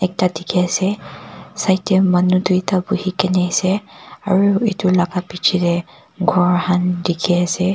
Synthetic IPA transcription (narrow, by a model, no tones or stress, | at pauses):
ɛk̚tadikʰiasɛsajtɛmanudujtabuhikɛnɛasɛa̰ɹuitulaɡapit͡ʃʰidɛ | ɡʱɔɹhandikʰiasɛ